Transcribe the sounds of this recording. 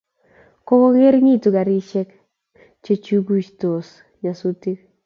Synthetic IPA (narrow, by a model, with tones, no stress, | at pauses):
ko˦ko˦ŋe˦ɾŋi˦˨tu˨ɡa˨ɾi˦t͡ʃɛ˦k | t͡ʃe˦t͡ʃu˦ɡu˦t͡ʃt̪o˨s | ɲa˨su˦ti˦k̚